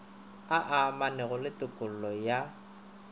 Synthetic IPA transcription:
aʔamanɛɣʊlɪtʼɪkʼʊl̩lɔja

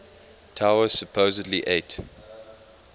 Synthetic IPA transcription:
tʰaʊəz̥səpʰoːzədliʔeɪt

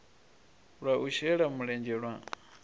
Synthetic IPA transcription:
ɺaʔuʃɛɺamuɺɛnd͡ʒɛɺwa

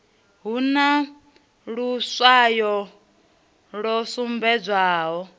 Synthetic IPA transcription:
ɦuna | ɺuswajɔ | ɺɔsumbɛd͡zʷaːɦɔ

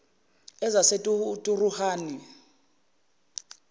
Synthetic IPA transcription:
ɛzasetʼutʼuruhaːni

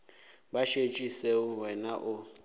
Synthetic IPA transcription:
baʃet͡ʃʼiseuwɛnaʔʊ

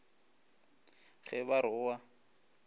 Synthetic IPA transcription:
ɣɛbaɾʊwa

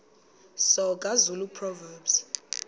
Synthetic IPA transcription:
sɔkʼazulupʰrɔvɛːbs

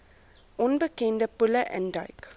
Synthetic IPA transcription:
ʔɔ̃nbəkẽndəpʊləʔɛ̰̃ndajk

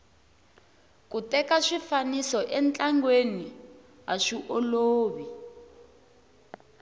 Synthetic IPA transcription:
kutɛkaʂifanisɔʔɛnt͡ɬaŋɡweni | ɦaʂiʔoloːβi

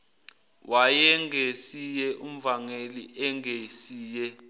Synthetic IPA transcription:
wʔajɛŋʱesijɛʔum̩vaŋeliʔɛŋesiːjɛ

